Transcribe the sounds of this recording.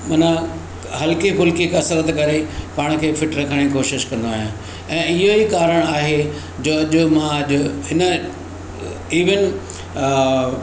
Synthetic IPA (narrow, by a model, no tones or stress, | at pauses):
mɐnə̃ | ɦɐlkipʊlkikɐsəɾət̪kɐɾepaːɽ̃əkʰeːfʰɪʈɾɐkʰəɽ̃ikoːʃɪʃkɐ̃nd̪oaːɦijãː | ɛ̃ːɪɦoikaːɾəɽ̃aːɦe | d͡ʑoːɐʄʊmãɐʄʊɦɪnə | iːʋɪn